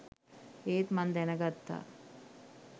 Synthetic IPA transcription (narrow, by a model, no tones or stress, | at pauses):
eːt̪mɐnd̪ɛnɐɡɐt̪ːa̰